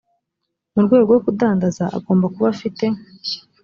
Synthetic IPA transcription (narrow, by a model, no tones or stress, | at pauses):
muɾɡwe̞ːɡowokudaːndazaʔa̰ɡo̞ːmbakuβafite̞